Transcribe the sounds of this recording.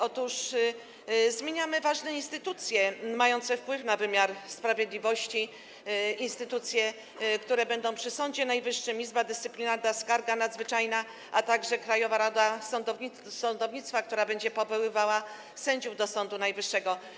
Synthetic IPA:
ɔt̪uʂ | zmʲjeɲamɘvaʐnɛinst̪ɘt̪ut̪sʲjɛmajɔnt̪sɛfpwɘfnavɘmʲjaɾspɾavʲjed̪lʲivɔɕt͡ɕi | inst̪ɘt̪ut̪sʲjɛ | kt̪uɾɛbɛnd̪ɔ̃w̃pʂɘsɔɲd͡ʑɛnajvɘʂːɘmizbad̪ɘst̪sɘpʲlʲinaɾd̪askaɾɡanad̪zvɘt͡ʂajna | ʔat̪aɡʐɛkɾajɔvaɾad̪asɔnd̪ɔvi | sɔnd̪ɔvɲit̪st̪fak̚t̪uɾabɛɲd͡ʑɛpɔvɔwɘvawa | sɛɲd͡ʑuvd̪ɔsɔnd̪unajvɘʂːɛɡɔ

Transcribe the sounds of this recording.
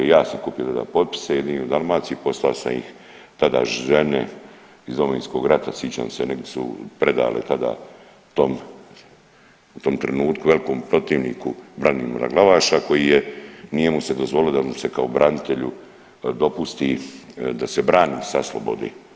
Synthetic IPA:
jaːsamkupijot̪ad̪a̰ːpo̞t̪̚pi̥sejed̪iniod̪almaːt̪siːpo̞st̪alasa̰mḭx | t̪ad̪a̰ːʒe̞nḛ | izd̪ominsko̞ɡɾat̪asjit͡ɕa̰ːmseneɡd̪esṵpɾe̞d̪a̰ːlʔḛt̪ad̪a̰ː | t̪om | ut̪o̞mt̪ɾenuːt̪kuʋe̞liko̞ːmpɾo̞t̪iːʋniːkubɾanimoɾa̰ɡlˠaʋaːʃako̞jijenije̞mused̪o̞zʋo̞liod̪ause̞kaobɾʔanit̪e̞ʎu | d̪o̞pust̪id̪ase̞bɾaːniːsaslo̰bo̞̰d̪e

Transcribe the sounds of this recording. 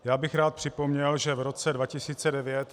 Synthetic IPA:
jaːbɪxɾaːt̪̚pr̝̥ɪpo̞mɲɛlʒɛvɾo̞t͡sɛdvacɪsiːt͡sɛdɛvjɛt̪

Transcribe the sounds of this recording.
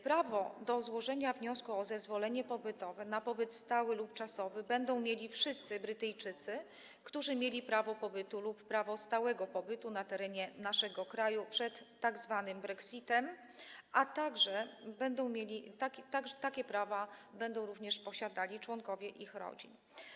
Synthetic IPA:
pɾavɔd̪ɔzwɔʐɛɲavɲɔskuɔzɛzvɔlɛɲɛpɔbɘt̪ɔvɛnapɔbɘt̪st̪awɘlupt͡ʂasɔvɘbɛnd̪ɔ̃w̃mʲjelʲifʂɘst̪sɘbɾɘt̪ɛjt͡ʂɘt̪sɘ | kt̪uʐɘmʲjelʲipɾavɔpɔbɘt̪ulupːɾavɔst̪awɛɡɔpɔbɘt̪unat̪ɛɾɛɲɛnaʂɛɡɔkɾajupʂɛt̪ːaɡzvanɘmbɾɛksʲit̪ɛm | ʔat̪aɡʐɛbɛnd̪ɔ̃w̃mʲjelʲit̪akʲt̪aɡʐɛt̪akʲɛpɾavabɛnd̪ɔ̃w̃ɾuvɲɛʂpɔɕad̪alʲit͡ʂwɔŋkɔvʲjɛʔixɾɔ̰d͡ʑḭn

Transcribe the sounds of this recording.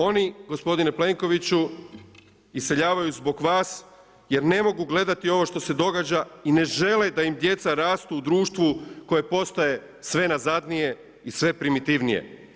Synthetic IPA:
o̞niɡo̞spo̞d̪ine̞ple̞ŋko̞ʋit͡ɕu | ise̞ʎaːʋajuzbo̞ɡʋaːs | je̞ɾne̞mo̞ɡuɡle̞d̪at̪io̞ʋo̞ʃt̪o̞se̞d̪o̞ɡaːd͡ʑaine̞ʒe̞led̪aimd̪je̞t̪saɾaːst̪uud̪ɾuːʃt̪ʋuko̞je̞po̞st̪aje̞ | sʋe̞nazad̪nije̞ | isʋe̞pɾimit̪iʋnije̞̰

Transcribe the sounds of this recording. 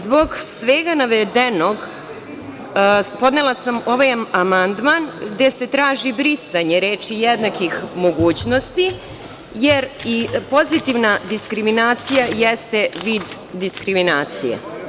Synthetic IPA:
zbo̞ɡsʋeɡanaʋed̪eno̞ɡ | po̞d̪ne̞lˠasamo̞ʋajamand̪manɡd̪e̞se̞t̪ɾaːʒibɾisaɲe̞ɾe̞ːt͡ʃijed̪nakixmo̞ɡuːt͡ɕno̞st̪i | jeɾipo̞zit̪iʋnad̪iskɾiminaːt̪sijajest̪e̞ʋiːd̪ː | iskɾiminaːt̪sijḛ

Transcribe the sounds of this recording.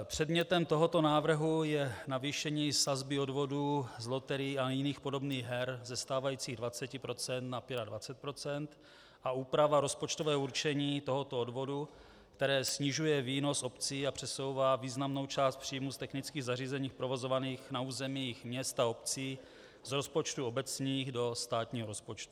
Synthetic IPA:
pr̝̥ɛdmɲɛt̪ɛmt̪o̞ɦo̞t̪o̞naːvr̩ɦujɛnaviːʃɛɲiːsazbɪo̞dvo̞duːzlo̞t̪ɛɾiːajɪniːxpo̞do̞bniːɣɦɛɾzɛst̪aːvajiːt͡siːɣdvat͡sɛcɪpɾo̞t͡sɛnt̪napɪɾadvat͡sɛt̪̚pɾo̞t͡sɛnt̪ | ʔauːpɾavaɾo̞spo̞t͡ʃt̪o̞vɛːuɾt͡ʃɛɲiːt̪o̞ɦo̞t̪oodvo̞du | kt̪ɛɾɛːsɲɪʒujɛviːno̞so̞pt͡siːapr̝̥ɛso̞wvaːviːznamno̞wt͡ʃaːst̪̚pr̝̥ijmust̪ɛxnɪt͡skiːɣzariːzɛɲiːxpɾo̞vo̞zo̞vaniːxnauːzɛmijɪxmɲɛst̪ao̞pt͡siː | zɾo̞spo̞t͡ʃt̪uo̞bɛt͡sɲiːɣdo̞st̪aːt̪ɲiːɦoɾo̞spo̞t͡ʃt̪u̥

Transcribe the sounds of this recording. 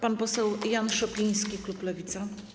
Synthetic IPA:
panpɔsɛwjanʂɔpʲij̃skʲikluplɛvʲit̪sa

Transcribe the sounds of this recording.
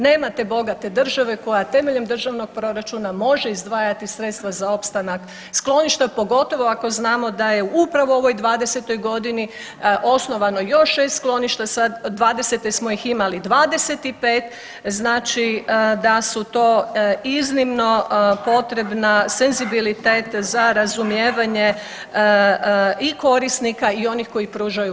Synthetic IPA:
neːmat̪e̞bo̞ɡat̪e̞d̪r̩ʒaʋe̞ko̞jat̪e̞meʎe̞md̪r̩ʒaʋno̞ɡ̚pɾo̞ɾat͡ʃunamo̞ʒe̞izd̪ʋaːjat̪isɾe̞t̪st̪ʋazao̞pst̪anak | sklˠo̞niʃt̪apo̞ɡo̞t̪o̞ʋo̞ako̞znaːmo̞d̪aje̞uupɾaʋooʋo̞jd̪ʋaːd̪e̞se̞t̪o̞jɡo̞d̪ini | ʔo̞sno̞ʋano̞jo̞ʃːe̞st̪sklˠo̞niʃt̪asad̪d̪ʋaːd̪eset̪esmo̞jiximalid̪ʋaːd̪e̞se̞t̪ipeːt̪ | znaːt͡ʃid̪asut̪o̞ːiznimno̞po̞t̪ɾe̞bnase̞nzibilit̪eːt̪zaɾazumjeːʋaɲe̞ | iko̞ɾisnikaio̞nixko̞jipɾuːʒaju

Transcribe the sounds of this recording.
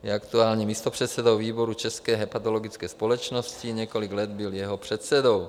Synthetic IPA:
jɛakt̪uaːlɲɛmiːst̪opr̝̥ɛt̪sɛd̪owviːbo̞ɾut͡ʃɛskɛːɦɛpat̪olo̞ɡɪt͡skɛːspolɛt͡ʃnoscɪɲɛkolɪɡlɛd̪bɪljɛɦopr̝̥ɛt̪sɛd̪o̞w

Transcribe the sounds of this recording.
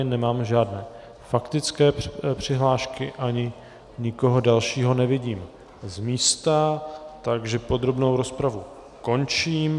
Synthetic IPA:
nɛmaːmʒaːdnɛː | fakt̪ɪt͡skɛːpr̥ɪɦlaːʃkɪʔaɲɪ | ɲɪko̞ɦo̞dalʃiːɦo̞nɛvɪɟiːm | zmiːst̪at̪aɡʒɛpo̞d̪ɾo̞bno̞wɾo̞spɾavu | ko̞nt͡ʃiːm

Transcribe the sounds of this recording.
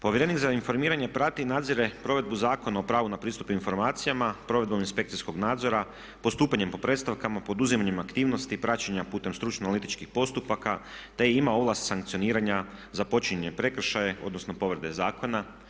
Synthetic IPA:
po̞ʋjɾenikzainfo̞ɾmiːɾaɲe̞pɾat̪inaːd̪ziɾe̞pɾo̞ʋe̞d̪̚buzaːko̞naopɾaːʋunapɾiːst̪u̥puinfo̞ɾmaːt̪sijamapɾo̞ʋe̞d̪bo̞minspe̞kt̪sisko̞ɡnaːd̪zo̞ɾa | po̞st̪uːpaɲe̞mpo̞pɾe̞d̪st̪aʋkamapo̞d̪uzimaɲe̞makt̪iːʋno̞st̪ipɾat͡ɕeɲapuːt̪e̞mst̪ɾut͡ʃnonalit̪it͡ʃkixpo̞st̪upakat̪e̞iimao̞ʋlˠast̪saŋkt̪sio̞niːɾaɲazapo̞t͡ʃiɲeɲepɾe̞kɾ̩ʃajeʔo̞d̪no̞sno̞po̞ʋɾed̪e̞zaːkʰo̞na

